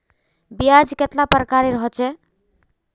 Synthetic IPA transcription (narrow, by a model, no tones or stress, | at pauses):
bijad͡ʒket̪lapɾəkaɾeɾəɦɔt͡ʃʰɛ